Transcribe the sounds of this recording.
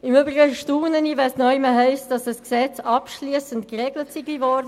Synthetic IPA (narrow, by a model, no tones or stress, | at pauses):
ɪmøːbʁɪɡəʃtuːnənivɛsnɔɪməɦɛɪsd̥ɑsdɑsksɛt͡sɑpʃliːsəntkʁeɡlətsiɡivɔɾdə